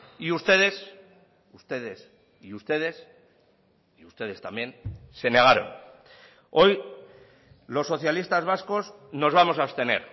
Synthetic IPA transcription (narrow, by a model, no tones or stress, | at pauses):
iust̪e̞ð̞e̞s | ust̪e̞ðe̞s | iust̪e̞ðe̞s | iust̪e̞ð̞e̞st̪ambjẽ̞nse̞ne̞ɣ̞aɾo̞̰n | o̞j | lo̞sːo̞θjalist̪azβasko̞s | no̞zβamo̞saost̪e̞ne̞̰ɾ